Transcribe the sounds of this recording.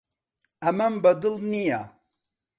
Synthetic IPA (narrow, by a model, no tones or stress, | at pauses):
ɐmɐmbɐd̪ɨlˠnija